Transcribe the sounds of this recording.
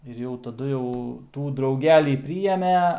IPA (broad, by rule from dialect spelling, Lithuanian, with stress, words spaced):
ɪr ˈjɛʊ tɐˈdʊ jɛʊ ˈtuː drɐʊˈɡʲæːlʲiː ˈpʲrʲɪjɛmʲɛ